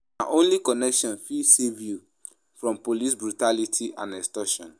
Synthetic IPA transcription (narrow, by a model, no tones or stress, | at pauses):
naʔõnlikɔnɛkʃɔ̃nfisivju | fɹɔ̃mpolis̬bɾutalitʰiʔã̰nɛstɔʃɔ̰̃n